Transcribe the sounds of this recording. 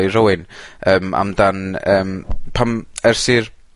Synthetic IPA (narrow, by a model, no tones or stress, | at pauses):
jrəwɨnəːma̰mdanəːmpʰamɛrsiːr